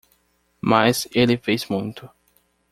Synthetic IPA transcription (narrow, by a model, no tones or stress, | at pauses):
mazelɪfejzmũj̃t̪ʊ